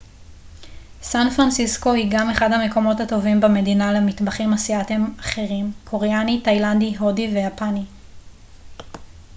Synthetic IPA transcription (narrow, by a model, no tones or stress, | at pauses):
sanfʁansisko̞hiɡame̞χadhame̞ko̞mo̞thato̞vimbeme̞dinalemitbaχimasiatemaχe̞ʁimkʰo̞ʁeanitajlandiɦodivejapani